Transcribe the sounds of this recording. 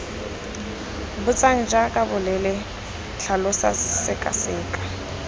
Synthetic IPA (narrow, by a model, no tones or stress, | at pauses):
bʊt͡sʼaŋ̩d͡ʒakʼabʊlɛlɪ | ɬʰalʊsa̰sɪkʼa̰sɪːkʼḁ